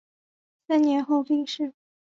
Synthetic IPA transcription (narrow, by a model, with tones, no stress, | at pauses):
sa˥njɛ˧˥nxo˥˧ʊpi˥˧ŋʂɻ̩˥˩